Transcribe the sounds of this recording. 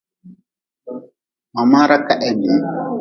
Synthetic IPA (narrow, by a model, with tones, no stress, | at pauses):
ma˨ma˦ɾakːaʔɛnu˨